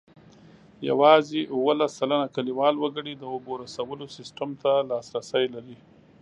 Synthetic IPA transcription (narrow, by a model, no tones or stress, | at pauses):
ja̰wɑzeʔuwəlasːalanakaliwɑlwəɡəɽid̪əoboɾasawəlosɪsʈamt̪alɑsɾasəjlaɾi